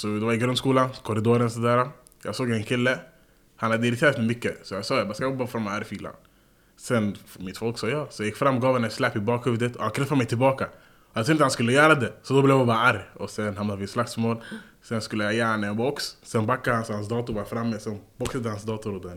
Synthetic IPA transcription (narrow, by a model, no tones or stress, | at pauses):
sɔd̪ɛvaɾɪɡɾœnskuːlankʰɔɾɪd̪oːɾənsɔd̪æːɾa | jɑ̰ːɡsoːɡɛnkʰɪlːə | hanhad̪əɪɾɪt̪ʰeːɾat̪mɛmʏkːəsɔjɑɡsɑːjabɑːskajbaɾfɔɾmːaaɾjfiːla̰n | sɛnfmɪt̪fɔlksɑːjɑːsɔjajɪkfɾamːɔɡɑːvhɛnɛslɛpːɪbɑːkhʉvd̪ət̪ʰɔhankʰɾɛfːaɾmɛjt̪ʰɪlbɑːka | ɔjaɡt̪ʰʊɾɪnhanskɵlːəjœːɾad̪ɛsɔd̪ɔblɛvjabɑːɾaaɾjɔsɛnhamnad̪vɪslak̚t̪smoːl | sɛnskɵlːəjajæːɾnaɛnbɔkssɛnbakːad̪hansɔhansd̪ɑːt̪ʊbɑːɾafɾamːəsɛnbɔksad̪əhansd̪ɑːt̪ʊɾɔd̪ɛn